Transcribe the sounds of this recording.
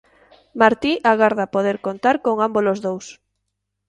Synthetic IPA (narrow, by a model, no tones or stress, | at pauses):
maɾt̪iʔaɣaɾðapoðeɾkont̪aɾkoŋambolozðows